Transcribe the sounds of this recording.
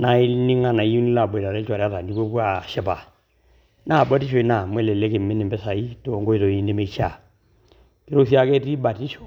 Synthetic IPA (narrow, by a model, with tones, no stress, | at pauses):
na˨i˦ni˦ŋa˦na˨i˦u˦ni˦la˨ba˨ta˨ɾɛ˦t͡ʃa˨ɾa˦ta˨ndi˦ko˦pwa˦˨ʃɛ˦ba˨ | na˦˨ba˦ti˦ʃo˨i˦na˨mwɛ˦lɛ˨le˦ke˨mɪ˦nɪ˨mbɛ˦sa˨i˦to˨ŋɡo˦i˦˨to˨i˦ni˦me˦t͡ʃa˨ | ki˦ɾo˦si˦a˦kɛ˦ti˦ba˨ti˦ʃo̥˨